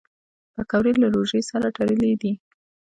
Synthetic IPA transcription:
pəkawɾelaɾoʒejsaɾaʈaɾəled̪i

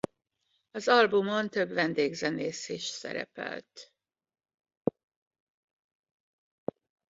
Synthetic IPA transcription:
ɒzɒlbumo̞nt̪ø̞bʋɛnd̪eːɡzɛneːseːʃsɛ̰ɾɛ̰pɛ̰lt̪

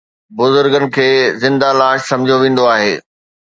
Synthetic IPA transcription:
bʊzʊɾɡənɪ̆kʰeːzɪ̃nd̪alaːʃsɐ̃md͡ʑʱoʋẽːn̆d̪oaːɦeː

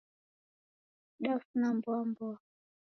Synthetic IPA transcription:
ɗafnambɔmbɔ

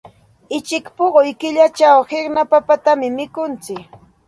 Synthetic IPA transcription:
ɪt͡ʃɪkpoɢʊjkɪʎat͡ʃawhɪɾnapapat̪amɪmɪkʊnt͡sɪk

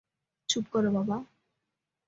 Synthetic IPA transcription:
t͡ɕʰupkɔɾebaba

